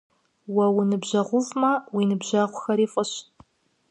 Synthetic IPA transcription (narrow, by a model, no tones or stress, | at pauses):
wɐwinɨbʑɐʁʷʊvmɐwiːnɨbʑaːʁʷʊxɐɾiːfʼɐɕ